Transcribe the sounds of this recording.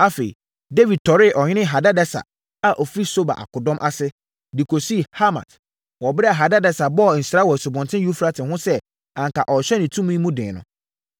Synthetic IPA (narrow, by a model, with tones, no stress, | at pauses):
a˦fe˨ḭ˨ | de˦vi˨d̚tʰɔ˨ɾɪ˦˨ʔɔ˨ɲɪ̃˦ɪ̃˦ɦa˨da˦dɛ˦sa̰˨ | a˨ʔɔ˨fɾi˦so˦ba̰˨ʔa̰˨kʰʊ˨dɔ̃˦mʔa˦sɪ˦ | di˨kʰo˨si˦˨ha˦ma̰˨t | wɔ˨bɪ˦ɾɛ˦a˨ɦa˨da˦dɛ˦sa˨bɔ˦˨n̩˨sɾa˦wɔ˨sʊ˨bɔ̃˨ntʰɪ̃˦ju˦fɾa˦tʰɪ̃˨ɦʊ̃˦sɛ˦ | ã˨ŋkʰa˨ʔɔ˨ɕᶣɛ˦nɪ̃˨tʰũ˦mũ˦ĩ˦mũ˦dɪ̰̃ː˨nʊ̰̃˨